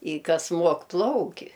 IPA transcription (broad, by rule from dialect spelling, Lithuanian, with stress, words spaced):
ɪ ˈkɐs ˈmuɔk ˈplˠɐʊkʲɪ